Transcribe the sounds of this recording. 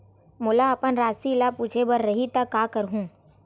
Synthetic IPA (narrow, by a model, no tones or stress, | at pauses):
mʊlaɐpənɾaːsilapuːt͡ʃʰebəɾːɐɦit̪akaːkəɾɦũː